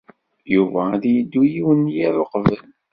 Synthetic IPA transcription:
juvæðjəd̪ːujiwənjiɾoqvəl

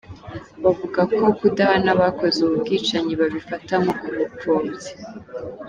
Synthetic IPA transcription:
βavuɡako̞kudahanaβako̞zeuβubɡiːt͡ʃaɲiβaβifatamoʔumupoːze̥

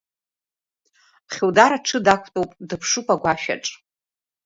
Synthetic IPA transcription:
χʲuwdaɾaʈ͡ʂʰɨdakʷʰtʼowpʼdɨpʰʂupʼaɡʷaʃᶣa̰ʈ͡ʂʼ

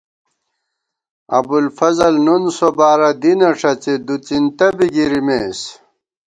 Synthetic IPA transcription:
ɐ̰bulfɐzɐlnunsobaːɾɐd̪inɐʂɐt͡ɕed̪ut͡sint̪ɐbiɡiɾimeːs

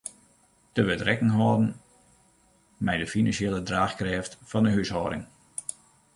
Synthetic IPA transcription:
təʋətrɛkəŋɦɔːdn̩ | mɛjdəfinɑnsjeːlˠədraːxkrɛːftfɔndəɦyshɔːɾɪ̰ŋ

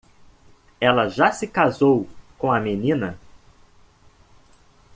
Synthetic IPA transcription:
ɛlɐʒasɪkazowkõɐmenĩnɐ

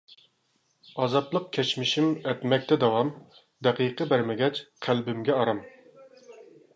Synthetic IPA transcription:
ɑːzɑt̪lˠəq̚kʲʰɛt͡ʃmɪʃimɛt̪mɛk̚ʲt̪ʰɛd̪ɑwɑm | d̪æqiqʰəbæɾmɛɡʲɛt͡ʃqʰælbɪmɡʲɛɑɾɑm

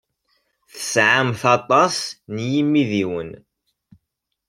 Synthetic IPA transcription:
θə̥sʕamθɑt̪ˤɑsnjimːiðiwən

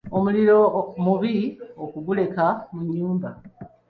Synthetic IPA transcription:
omuliɾo̞muβiokuɡule̞kamuɲːuːmba

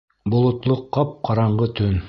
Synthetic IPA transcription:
bŏlˠŏt̪lˠɤqːɑp̚qɑɾɑɴʁɤt̪ɵn

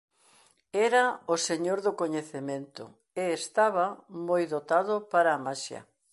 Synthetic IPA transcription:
ɛɾɐoseɲoɾðʊkoɲeθemẽnt̪ʊ̰ | eːst̪aβɐmojðot̪aðʊpaɾaːmaʃjɐ̰

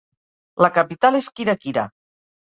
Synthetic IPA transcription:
ləkapit̪aleskiɾakiɾa̰

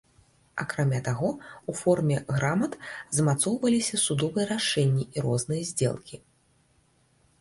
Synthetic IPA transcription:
akɾamʲat̪aɣɔufɔrmʲɛɣɾamɐt̪zmat̪sɔwvɐlʲisʲɐsud̪ɔvɨjɐɾaʂɛnʲːiiɾɔznɨjɐzʲd͡zʲɛ̰lˠkʲi

